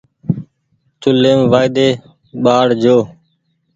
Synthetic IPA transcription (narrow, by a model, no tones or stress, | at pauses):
t̪ʊlːeːmʋaːɪd̪eː | ɓaːɽd͡ʒoː